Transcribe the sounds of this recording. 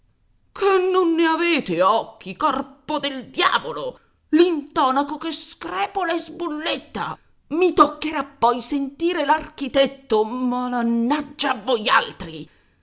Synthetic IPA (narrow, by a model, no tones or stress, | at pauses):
kʰenːonːeaveːt̪eɔkːikɔrpod̪eld̪ja̰ːvolo | lint̪ɔːnakokeskɾɛːpolaezbulːet̪ːa̰ | mit̪okːeɾapːɔjsent̪iːɾelark̟it̪ɛt̪ːomalanːad͡ʒːaːvːoja̰lt̪ɾi